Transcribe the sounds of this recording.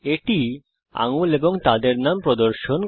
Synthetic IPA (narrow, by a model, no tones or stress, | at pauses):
eʈi | a̰ŋuleboŋt̪ad̪eɾnampɾod̪oɾʃon